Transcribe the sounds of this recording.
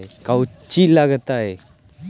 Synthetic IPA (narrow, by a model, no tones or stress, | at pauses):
ekawt͡ɕilaɡət̪ae